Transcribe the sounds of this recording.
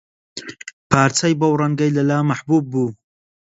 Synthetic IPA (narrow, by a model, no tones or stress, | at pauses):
pʰaːɾt͡sɐjbɐwɾɐŋɡɐjlɐlaːmɐħbuːbːuː